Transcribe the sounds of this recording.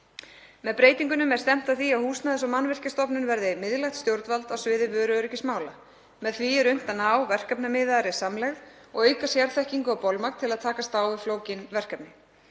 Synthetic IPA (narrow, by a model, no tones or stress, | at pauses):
mɛðpɾeːjt̪iŋkʏnʏmɛð̥st̪ɛm̥t̪aθiaðhuːsnaðɪsɔmanːvɪr̥cast̪ɔpnʏnvɛɾðɪmɪðlaxt̪st̪jowɾt̪valt̪awsvɪːðɪvœːɾʏœːɾʏcɪsmaːwla | mɛðθviɛɾʏn̥t̪anaːwvɛr̥kapnamɪːðaɾɪ̥samlɛɣð | ɔɣœːɥkasjaɾθɛhciŋkʏawpɔlmak̪t̪ʰɪlaðt̪ʰaːkast̪aːwɪfloːwcɪnvɛr̥kapnɪ